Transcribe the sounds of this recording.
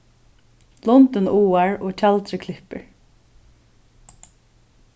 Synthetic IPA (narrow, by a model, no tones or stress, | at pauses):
lɔnt̪ənuːaɹoːt͡ʃʰalt̪ɾɪkʰlɪhpə̰ɹ